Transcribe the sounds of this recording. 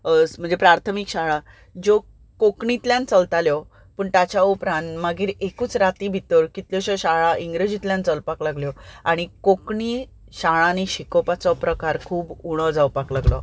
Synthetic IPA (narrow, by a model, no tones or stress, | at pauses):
əsm̤ənd͡zepɾaɾt̪ʰəmikɕaɭa | d͡ʑo | kokɳit̪ljãnt͡səlt̪aljɔ | pəːɳt̪at͡ɕaopɾanmaɡiːɾekuːt͡sɾat̪ibʱit̪əɾkit̪ljɔɕɔɕaɭaʔiŋɡɾed͡ʑit̪ljãnt͡səlpaklaɡljɔaɽ̃ikokɳi | ɕaɭãniɕikɔpat͡sɔpɾəkaɾkʰuːbuɽ̃ɔd͡zawpaklaɡlɔ̰